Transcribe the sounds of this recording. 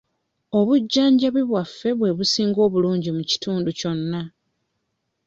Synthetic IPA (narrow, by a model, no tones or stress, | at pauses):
o̞βuɟːaːɲɟaβiβwafːe̞βwe̞βusiːŋɡo̞ːβuluːɲɟimuci̥tuːnduco̞nːa